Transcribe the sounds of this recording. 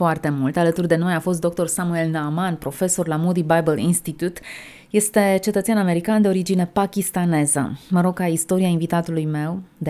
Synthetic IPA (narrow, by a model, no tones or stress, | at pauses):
foart̪e̞mult̪alət̪urd̪e̞no̞jafo̞st̪d̪o̞k̚t̪o̞rsamue̞lnaːmanpɾo̞fe̞so̞rlamod̪ibajbəlinst̪it̪ut̪ | je̞st̪e̞t͡ʃe̞t̪ət̪seaname̞ɾikand̪e̞o̞ɾid͡ʒine̞pakʲist̪ane̞zə̰məɾo̞ɡ̚kaist̪o̞ɾiainvit̪at̪ulujme̞wd̪